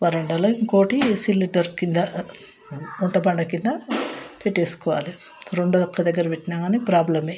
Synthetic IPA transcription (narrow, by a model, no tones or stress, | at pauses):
ʋɐɾɐɳɖɐlːɐiŋkoːʈisilːiʈːɐɾkind̪ɐ | uɳʈɐbɐɳɖɐkind̪ɐpeʈːeːsu̥kɔʋa̰ːli | ɾoɳɖud̪ɐkːɐd̪ɐɡːɐɾɐʋeʈːinɐɡaːnepɾaːblɐmeː